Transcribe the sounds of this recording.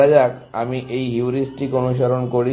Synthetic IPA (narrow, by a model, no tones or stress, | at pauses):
ad͡ʑaka̰miʔejɦiuɾisʈikonuʃaɾonkoɾi